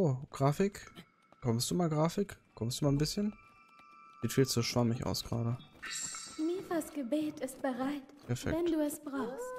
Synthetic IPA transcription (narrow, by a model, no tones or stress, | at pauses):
oːɡ̥ʁaːfɪk | kʰɔmstd̥uːmaːlɡʁaːfɪkkʰɔmstd̥uːmaːlnbɪsçən | z̥iːtfiːlt͡suʃv̥amɪçʔa̰ʊsɡ̥ʁa̰ːɾə | miːdasɡ̥əbeːtʰɪst̚b̥əʁaɪtpɛɐfɛ̰vɛnduːɛsb̥ʁaʊxst